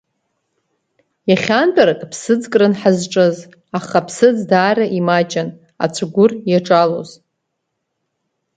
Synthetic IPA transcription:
jaχʲantʼaɾakʼpʰsɨd͡zkʼrɨnħazʈ͡ʂʼɨz | aχapʰsɨd͡zdaːraʔimat͡ʃʼan | a̰t͡sʷʰaɡʷʊrjaʈ͡ʂʼaloz

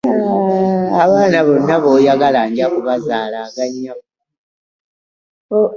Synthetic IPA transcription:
aβaːnaβonːaβo̞ːjaɡalaːɲɟakuβazaːlaɡaɲːak | o

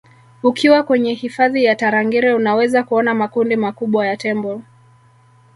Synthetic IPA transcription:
ukʰiwakwɛɲɛhifaðijataɾaŋɡiɾɛunawɛzakuɔnamakundimakuɓwajatɛmbɔl

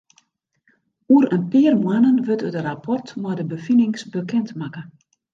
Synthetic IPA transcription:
uəɾənpɪərmwanənʋøtədərapʰɔrtmɔdəbəfinɪŋsbəkɛntmakə

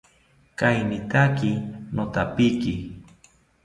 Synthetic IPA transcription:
kajnɪt̪akinot̪apiki

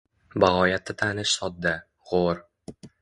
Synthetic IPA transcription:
baʁɒjat̪ːɪt̪ʰanɪʃsɒd̪̚ːa | ʁoɾ

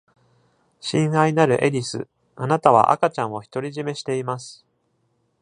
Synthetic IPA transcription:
ɕĩɰ̃ainaɾɯ̟ʔe̞ɾʲisɨ̰ | anat̪aβ̞a̰ʔa̰kat͡ɕãɰ̃o̞çi̥t̪o̞ɾʲiʑime̞ɕi̥t̪e̞imasɨ̥

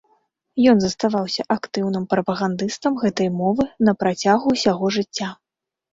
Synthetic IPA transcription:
jɔnzɐst̪avawsʲɐʔakt̪ɨwnɨmpɾɐpɐɣand̪ɨst̪ɐmɣɛt̪ɐjmɔvɨnɐpɾat͡sʲaɣuːsʲaɣɔʐɨt͡sʲːa

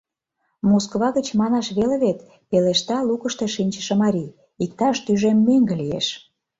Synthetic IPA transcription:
moskβɑɣə̆t͡ɕmɑnɑʃβeleβet̪ | peleʃt̪ɑlukəʃt̪ĕʃinʲt͡ɕə̥ʃĕmɑɾʲi | ik̚t̪ɑʃt̪yʒemːøŋɡĕlijḛʃ

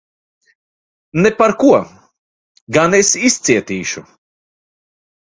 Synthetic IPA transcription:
nepaɾkuɔ | ɡanesist̪siɛt̪iːʃṵ

